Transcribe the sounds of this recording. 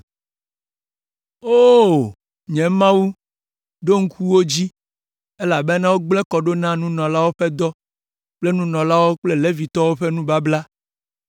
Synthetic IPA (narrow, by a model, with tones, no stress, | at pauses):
o˦ | ɲɛ̃˨mã˦wu˦ | ɖo˦ŋ̩˦ku˦wo˦d͡ʑi˦ | e˦la˨bɛ˦nã˦wo˦ɡ͡blɛ˦kɔ˨ɖo˦nã˦nũ˦nɔ̃˨la˦wo˦ɸɛ˦d̪ɔ˦ | k͡ple˦nũ˦nɔ̃˨la˦wo˦k͡ple˦le˦vi˨t̪ɔ˦wo˦ɸɛ˦nũ˦ba˦bla˦